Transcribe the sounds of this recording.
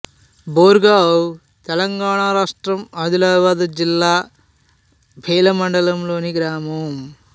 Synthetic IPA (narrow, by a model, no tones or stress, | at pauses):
boːɾɡaːw | t̪elɐŋɡaːɳaːɾaːʂʈɾɐmɐd̪ulaːʋaːd̪ɐd͡ʒilːaː | bʱeːlɐmɐɳɖɐlɐmloːniɡɾaːmɐm